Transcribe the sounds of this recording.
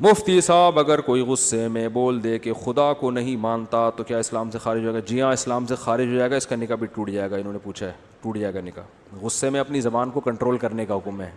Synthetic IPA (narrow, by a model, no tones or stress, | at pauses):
mʊft̪isaːbɐɡəɾkoːiɣʊsːemẽboːld̪eːkexʊd̪akonɐɦĩmãːnt̪at̪okjaːɪslaːmsexaːɾɪd͡ʒɦoaeːɡad͡ʒiːjãɪslaːmsexaːɾɪd͡ʒɦoːd͡ʒaːeːɡaɪskanɪkabʱiʈuːʈʰd͡ʒaːeːɡaɪnɦõːnepuːt͡ʃʰaɛ | ʈuːʈd͡ʒaːeːɡanɪka | ɣʊsːemẽɐpnizɐbaːnkokɐ̃ɳʈɾoːlkɐɾnekaɦʊkmɦɛː